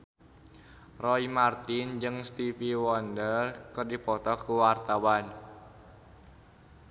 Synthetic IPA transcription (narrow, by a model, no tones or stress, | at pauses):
rɔimart̪ɪnd͡ʒɨŋst̪ifiwɔndərkɨrdipɔt̪ɔkuwart̪awan